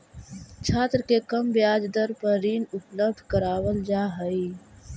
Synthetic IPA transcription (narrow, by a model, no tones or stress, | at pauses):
t͡ʃʰaːt̪ɾəkekəmbjaːd͡ʒd̪əɾpəɾiːnʊpləb̚ɖ̪ʱkəɾaːwəld͡ʒaːɦəi